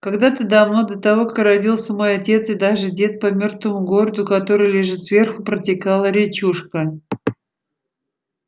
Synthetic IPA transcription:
kɐɡd̪at̪ɨd̪ɐmnod̪ət̪ɐvo̞kakrɐdʲilˠsʲəmo̞jɐtʲe̞t̪sɪd̪aʐɨdʲe̞t̪̚pɐmʲo̞rt̪vəmʊɡo̞ɾəd̪ʊkɐt̪o̞ɾɨjlʲɪʐɨt̪svʲerxʊpɾətʲɪkalˠəɾʲɪt͡ɕuʂkə

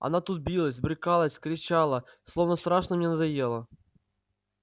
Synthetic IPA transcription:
ɐ̰nat̪ut̪̚bʲilˠəsʲbɾʲɪkalˠəsʲkɾʲɪt͡ɕalˠəslˠovnəst̪ɾaʂnəmnʲenəd̪ɐjelˠə

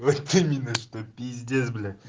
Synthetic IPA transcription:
ot̪ɨmʲinːəʂt̪opʲizʲd̪ʲezbɪlʲe

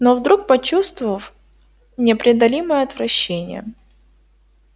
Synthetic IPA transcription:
novd̪ɾuk̚pɐt͡ɕust̪vʊvəf | nʲɪɐpɾʲɪɐd̪ɐlʲiməjəɐt̪vɾɐɕːenʲɪ̰jə̰

